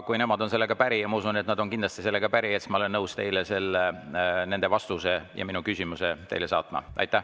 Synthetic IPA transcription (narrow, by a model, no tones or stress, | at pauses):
kujne̞mɑd̪o̞nse̞lːe̞ɡ̥ɑpæɾijɑmɑusunet̪nɑd̪̥o̞nkind̪lɑst̪ise̞lːe̞ɡ̥ɑpæɾiet̪smɑole̞nːɤwst̪e̞jlese̞lːene̞nd̪̥e̞vɑst̪usejɑ̰minukysʲimuset̪e̞̰jlesɑ̰ːt̪ˑmɑ̰ʔɑ̰jt̪ːˑæh